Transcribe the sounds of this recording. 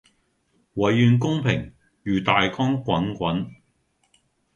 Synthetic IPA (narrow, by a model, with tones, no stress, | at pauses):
wɐ˨˥jːyː˧nk̬ʊ˥ŋpʰɪ˨˩ŋ | jyː˨t̪aː˨jkɔː˥ŋkʷɐ˨˥nkʷɐ˨˥n